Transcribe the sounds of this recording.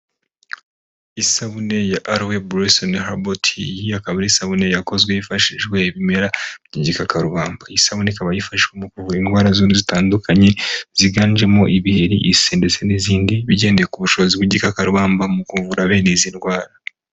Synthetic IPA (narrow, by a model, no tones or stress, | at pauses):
isaβune̞jaʔaɾwebuɾesonehabotʰijiakaβaɾisaβune̞jako̞zɡwejifaʃiʒɡwe̞ːβime̞ɾaɲiɟikakaɾuβaːmbaisaβunekaβajifaʃiʒɡwemukuvuinɡwaːɾazoːnuzitaːndukʰaɲe̞z̥iɡaːnd͡ʒe̞moʔiβiheɾḭʔiseːndet͡se̞niziːndiβiɟe̞ːndeekuβuʃo̞βozibwiɟikakaɾuβaːmbamukuːvɡuɾaβe̞ːnezinɡwaːɾa